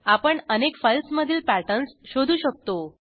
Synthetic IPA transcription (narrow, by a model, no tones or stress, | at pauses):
apəɳənekfəjlsməd̪ʱiːlpæʈənsɕod̪ʱuːɕək̚t̪o